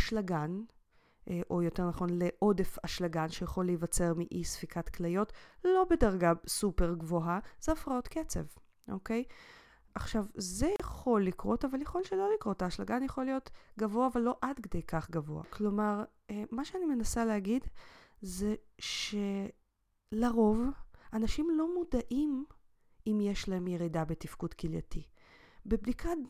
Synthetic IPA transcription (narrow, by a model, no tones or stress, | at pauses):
aʃlaɡan | ʔo̞jo̞te̞ʁnaχo̞nleʔo̞de̞faʃlaɡanʃejaχo̞lejvat͡se̞ʁmiʔisfikʰatklajo̞tlo̞bedaʁɡasupe̞ʁɡvoɦaz̥eafʁao̞tket͡se̞̰v | ʔo̞ke̞j | ʔaχʃavzejeχo̞lːikʁo̞tavaljaχo̞lʃelo̞likʁo̞taːʃlaɡanjaχo̞lːijo̞tɡavo̞avalːo̞ʔadkede̞jkaχɡavo̞a̰klo̞maʁ | maʃeanime̞nasalehaɡidze̞ʃe | laʁo̞vanaʃimlo̞mudaʔim | imjeʃlaemjeʁidabetifkudkilja̰ti | bebdikʰa